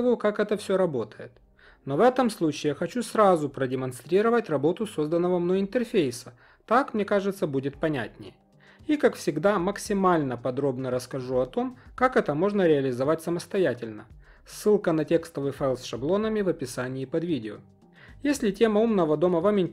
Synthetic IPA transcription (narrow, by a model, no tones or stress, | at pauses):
vəjʊkakɛt̪əfsʲɵɾɐbo̞t̪ə̥jɪ̰t̪ | no̞vɛt̪əmslˠut͡ɕɪːxɐt͡ɕusɾazʊpɾədʲɪmɐnst̪ɾʲiɾəvətʲrɐbo̞t̪ʊso̞zd̪ənːəvɐmnojɪnt̪ɨrfʲejsə | t̪akmnʲe̞kaʐɨt̪səbudʲɪt̪̚pɐnʲæ̰tʲnʲɪ̰j | ikakfsʲɪɡd̪aməksʲɪmalʲnəpɐd̪ɾo̞bnəɾəskɐʐuɐt̪o̞mkakɛt̪əmo̞ʐnəɾʲɪɐlʲɪzɐvatʲsəməst̪ɐjætʲɪlʲnə | sːɨlˠkənɐtʲe̞kst̪əvɨjfalˠsʂɐblˠo̞nəmʲɪvɐpʲɪsanʲɪːpɐd̪vʲidʲɪo̰ | jesʲlʲɪtʲe̞məumnəvəd̪o̞məvamɪnʲ